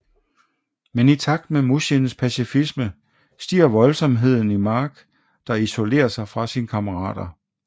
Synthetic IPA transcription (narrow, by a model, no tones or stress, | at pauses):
menit͡sʰɑ̈ɡ̥̚d̥memusinspʰæsifismə | sd̥ḭːɐʋɒ̽lsɒ̽mɦe̝ð̞̰ˠn̩imɑ̈ːɡ̥ | d̥ɑ̈iso̝le̝̰ːɐsɑ̈ɪfʁɑ̈sinəkʰɑ̈məʁɑ̰̈ːd̥ɐ